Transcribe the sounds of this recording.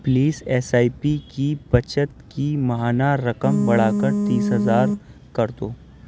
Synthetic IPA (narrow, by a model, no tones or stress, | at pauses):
pliːsɛːsaːipikibɐt͡ʃət̪kimɐɦaːnaɾɐkəmbɐɽaːkəɾt̪iːsɦɐzaːɾkɐɾt̪oː